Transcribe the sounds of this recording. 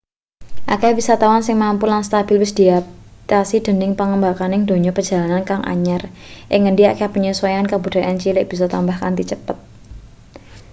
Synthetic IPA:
ʔa̰kɛbisat̪awansɪŋmampulanst̪ab̥ɪlwɪsd̪̥iapt̪asid̪̥ə̤nɪŋpəŋəmbakanɪŋd̪o̤ɲɔpərd͡ʒ̥a̤lanankaŋʔa̰ɲar | ʔɪŋːəɳɖiakɛpəɲusɔjankabud̥a̤ʔant͡ʃilɪʔ̚b̥isɔt̪ambahkand̪it͡ʃəpət̪̚

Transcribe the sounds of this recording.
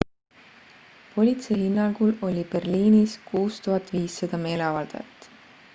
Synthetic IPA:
po̞lʲit̪se̞hinːɑŋɡ̥ulo̞lʲib̥e̞rliːniskuːst̪uɦɑt̪ːˑviːsːɑd̪̥ɑme̞ːle̞ɑvɑld̪̥ɑ̰jɑ̰t̪ːˑ

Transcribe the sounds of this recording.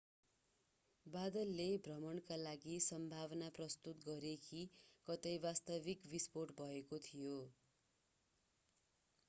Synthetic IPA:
bad̪ʌlːebʱrʌmʌɳkalaɡisʌmbʱaβʌnaprʌst̪ut̪ɡʌɾekʰikʌt̪ʌjbast̪ʌbikbisporʈbʱʌekot̪ʰijo

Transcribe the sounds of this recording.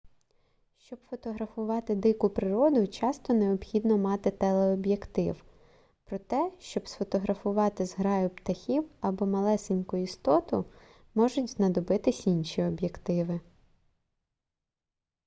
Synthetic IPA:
ʃt͡ʃɔb̥fɔt̪ɔɦɾɐfʊʋɑt̪ɪd̪ɪkʊpɾɪɾɔd̪ʊt͡ʃɑst̪ɔneɔbxʲid̪nɔmɑt̪ɪt̪ɛlˠeɔbjekt̪ɪw | pɾɔt̪ɛʃt͡ʃɔbsfɔt̪ɔɦɾɐfʊʋɑt̪ɪzɦɾɑjʊpt̪ɐxʲiwɐbɔmɐlˠɛsenʲkʊist̪ɔt̪ʊ | mɔʒʊtʲznɐd̪ɔbɪt̪ɪsʲinʲʃiɔbjekt̪ɪʋɪ

